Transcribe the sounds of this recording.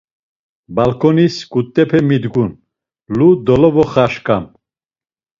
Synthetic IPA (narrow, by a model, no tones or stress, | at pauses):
balkʰɔniskʼut̪ʼːɛpʰɛmid̪ɡun | lud̪ɔlɔvɔχaʃkʼam